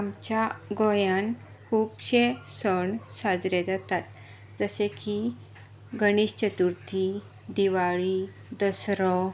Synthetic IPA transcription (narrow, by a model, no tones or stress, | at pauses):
amt͡ɕjaɡɔjan | kuːbɕesəɳsad͡zɾed͡zat̪at̪̚ | d͡zəseki | ɡəɽ̃iːɕt͡ɕət̪uɾt̪ʰi | d̪iʋaɭi | d̪əsɾɔ